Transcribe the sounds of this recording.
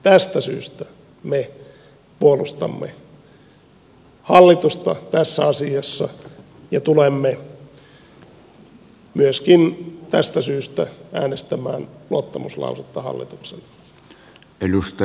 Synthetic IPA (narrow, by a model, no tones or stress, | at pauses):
t̪æst̪æsy̰ːst̪æ | me | puolust̪ɑ̰mːḛ | hɑlːit̪ust̪ɑt̪æsːæɑsiɑsːɑ | jɑt̪ulemːe | myøskint̪æst̪æsyːst̪ææːnest̪æmæːnluɑt̪ːɑmuslɑ̰uset̪ːɑhɑ̰lːḭt̪uksen | elust̪ɑ